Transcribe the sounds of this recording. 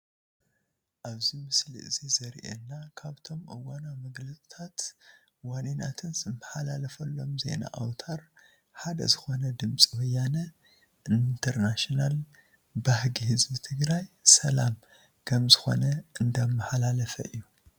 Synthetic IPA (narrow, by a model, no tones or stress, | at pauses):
ʔaβzimɨslḭʔɨzizɐɾʔḛnːakʰaβt̪ʰo̞mʔɐwːanamɐɡlɐt͡sʼi̥t̪ʰat̪ | waninat̪ʰɨnzɨmːɐħalalɐfɐlːo̞mze̞̰na̰ʔawt̪ʰaɾ | ħad̪ɐ̰zɨxo̞nɐd̪ɨmt͡sʼiwɐjanɐ | ʔint̪ʰɐɾnaʃinal | bahɡihɨzbit̪ʰɨɡɾajsɐlam | kʰɐmzɨxo̞̰nɐɨnd̪ɐmːɐħalalɐfɐ̰ʔɨjːu